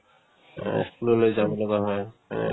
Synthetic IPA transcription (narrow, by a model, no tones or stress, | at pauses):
skulɔlojzamɔlɔɡaɦɔj̰